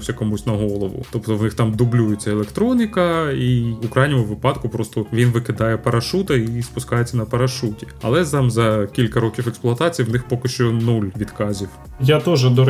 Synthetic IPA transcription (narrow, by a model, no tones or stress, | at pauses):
wsʲɐkɔmusʲtʲnɐɦɔlˠɔʋʊ̰t̪ɔpt̪ɔwnɪxt̪ɑmd̪ʊblʲujet͡sʲːɐelˠekt̪ɾɔnʲɪkɐiukɾɑjnʲɔmʊʋɪpɑd̪kʊpɾɔst̪ɔʋʲinʋɪkɪd̪ɑjɛpɐɾʔɐʃut̪ɐispʊskɑjet͡sʲːɐnɐpɐɾɐʃutʲi̥ɐ̰lˠɛt̪ɑmzɐkʲilʲkɐɾɔkʲiwɛksplˠʊɐt̪ɑt͡sʲijwnɪxpɔkɪʃt͡ʃɔnulʲʋʲid̪kɑzʲiw | jat̪ɔʒɛd̪ɔ